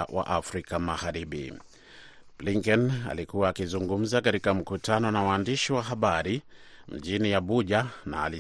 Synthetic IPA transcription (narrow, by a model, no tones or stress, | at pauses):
wa̰ʔafɾikamaɣaɾiɓḭ | b̥liŋkɔna̰likuwaːkizuŋɡum̩zakaɾikam̩kutanɔnawaːndiʃiwaɦaɓaɾi | m̩ʄiniaɓuʄana̰ːli